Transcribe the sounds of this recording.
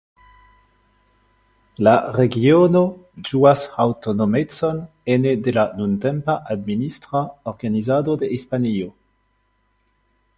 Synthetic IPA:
laʁeɡionod͡ʒuasawtonomet͡son | enedelanuntempaʔadministʁaoʁɡanizadodeispanio

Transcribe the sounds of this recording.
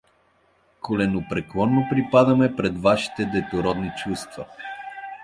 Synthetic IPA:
kolɛnopɾɛklˠɔnːopɾipad̪ɐmɛpɾɛd̪vaʃi̥t̪ɛd̪ɛt̪oɾɔd̪nit͡ʃust̪vɐ

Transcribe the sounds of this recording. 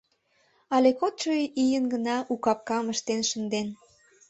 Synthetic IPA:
ɑlekot̪t͡ʃojijənɡənɑʔukɑp̚kɑməʃt̪enʃə̆nd̪en

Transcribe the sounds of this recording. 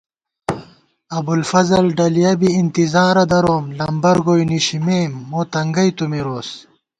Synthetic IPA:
ɐbulfɐzɐlɖɐlijɐbiːnt̪izaːɾɐd̪ɐɾoːmlɐmbɐɾɡoːjniɕimeːmːoːt̪ɐŋɡɐjt̪umiɾoːs

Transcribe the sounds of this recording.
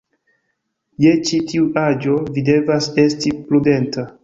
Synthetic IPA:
je̞t͡ʃitiuʔad͡ʒo̞vide̞vase̞stiplude̞nta

